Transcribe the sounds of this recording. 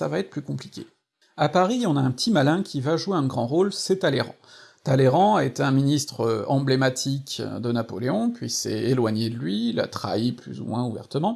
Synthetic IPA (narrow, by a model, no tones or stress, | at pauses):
savaɛt̪χəplykɔ̃plikʲḛ | apaʁiɔ̃naɛ̃pət̪imalɛ̃kʲʰivaʒueɛ̃ɡʁɑ̃ʁolsɛt̪aleʁɑ̰̃t̪aleʁɑ̃aet̪ɛɛ̃minist̪χəɑ̃blemat̪ʰikʲd̪ənapɔleɔ̃pɥisɛ̰elwaɲed̪əlɥila̰t̪χa̰iply̰zṵmwɛ̃uvɛ̰ʁt̪əmɑ̃